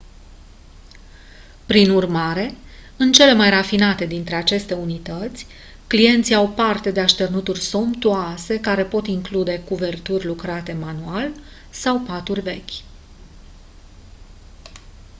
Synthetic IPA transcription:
pɾinurmaɾe̞ | ɨnt͡ʃe̞le̞majrafinat̪e̞d̪int̪ɾe̞at͡ʃe̞st̪e̞unit̪ət̪sʲ | klie̞nt̪siawpart̪e̞d̪eaʃt̪e̞rnut̪urʲso̞mpt̪uase̞kaɾe̞po̞t̪iŋklud̪e̞kuve̞rt̪urʲlukɾat̪e̞manual | sawpat̪urʲve̞kʲ

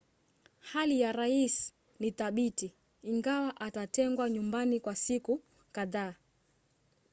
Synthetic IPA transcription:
halijaɾais | niθaɓitiː | ŋɡawaʔatatɛŋɡwaɲumbanikwasiku | kaðaː

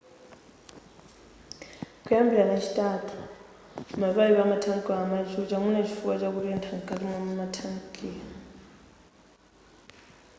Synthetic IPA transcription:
kʼuambʱilanat͡ʃʰi̥tʼatʰu̥ | maβaiβamatʰaŋkʼaamad͡ʒut͡ʃamunet͡ʃʰi̥fuat͡ʃʼak̬uɾɛntʰaŋkʼatʼimammatʰaŋkʼia

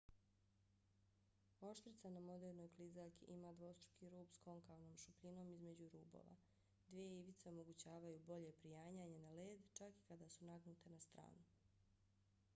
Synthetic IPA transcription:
o̞ʃt̪ɾit̪sanamo̞d̪e̞ɾno̞jklizaʎkiʔimaːd̪ʋo̞st̪ɾu̥kiɾuːpsko̞ŋkalnoːmʃupʎino̞ːmizme̞d͡ʑuɾuːbo̰ʋa̰ | d̪ʋijeiʋit̪seo̞mo̞ɡut͡ɕaːʋajuːbo̞ʎe̞pɾijaːɲaɲe̞naleːd̪t͡ʃaki̥kad̪asunaɡnut̪e̞nast̪ɾa̰ːnu

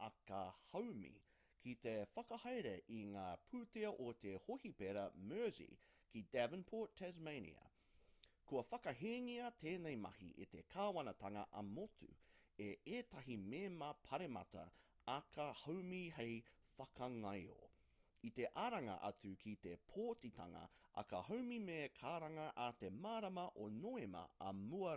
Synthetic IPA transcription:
ɐkɐhɐwmḭ | kʰit̪efɐkɐhɐjɾeʔiŋaːpʰʉːteɐʔot̪ehohipeɾɐmɜ˞sḭkidævənpʰoɹttʰɛzmeɪnḭɐ̰ | kʰuɐfɐkɐɦeŋiɐt̪ʰeːnejmɐ̰hḭʔet̪ekʰaːwɐnɐt̪ʰɐŋɐʔɐmotʰṵeeːtɐɦimemɐpʰɐɾemɐ̰tɐ̰ː | kʰɐhowmiɦejfɐkɐŋɐjo̰ | it̪e̞ʔaɾɐŋɐ̰ʔɐt͡sʉkʰit̪epʰoːtit̪ʰɐ̰ŋɐ̰ɐ̰kɐhowmimekʰaːɾɐŋɐʔat̪emaːɾɐmɐʔonoemɐ̰ɐmuɐ

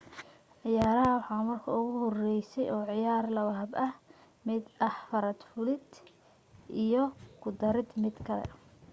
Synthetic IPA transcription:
ʕɪjaːɾɐɦɐwɑħɑːmɐrkʰɐ̰ʊɣʊɦɔrɛjsɛjɔːʕɪjaːrlɐwɐɦɐbɐh | mɪd̪ʔɐħfɐɾɐd̪fʊlɪd̪ | ʔijɔkʰʊd̪ɐɾɪd̪mɪd̪kʰɐlɛ̰

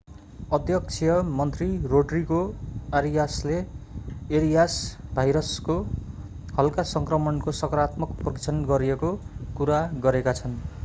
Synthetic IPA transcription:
ʌd̪ʱjʌk̚t͡sʰijʌmʌnt̪riroɖrikoaɾijasleː | ɾijasbʱajɾʌsko | hʌlkasʌŋkrʌmʌnkosʌkʌɾat̪mʌkprʌkit͡sʰʌnɡʌɾijekokuɾaɡʌɾekat͡sʰʌn

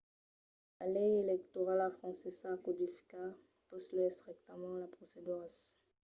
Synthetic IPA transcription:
lalɛjelɛk̚t̪ɔʁalafχɑ̃sisakud̪ifka | pɔslɛsʁɛk̚t̪amɑ̃lapχɔsed̪yʁas

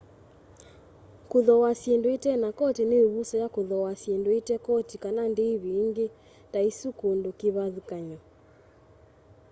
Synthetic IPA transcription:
kuðɔwasjendoetɛnakɔteneoβusɔjakoðɔwasjendoetɛkɔtikanandeːβiŋɡe | taisukondokiβaðukaɲɔ

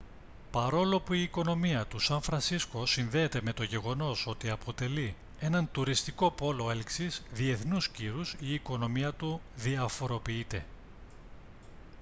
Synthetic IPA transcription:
pɐɾo̞lo̞puiːko̞no̞miɐt̪usɐɱfɾɐnsisko̞siɱve̞ːt̪e̞me̞t̪o̞ʝe̞ɣo̞no̞so̞t̪iɐpʰo̞t̪e̞li | e̞nɐnt̪uɾist̪iko̞po̞lo̞e̞lksizðie̞θnusciɾusiːko̞no̞miɐt̪u | ðiɐfo̞ɾo̞piit̪e̞

